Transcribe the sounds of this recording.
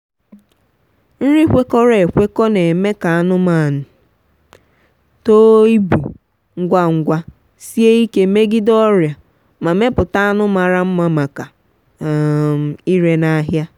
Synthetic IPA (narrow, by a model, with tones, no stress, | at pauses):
n̩˦ɾi˦kʷe˦kɔ˦ɾe˨e˨kʷe˦kɔ˦ne˨me˦ka˨a˦nʊ˦ma˨nʊ˨ | to˦i˦bṵ˨ | ŋ̩˦ɡʷa˦ŋ̩˦ɡʷa˦ | si˦e˦i˦ke˦me˦ɡɪ˦dɔ˦ɾja˨ | ma˨me˦pʊ˨ta˦a˦nʊ˦ma˨ɾa˦m̩˦ma˨ma˨ka˨ | m̩˨i˦ɾe˦na˦ɦja˦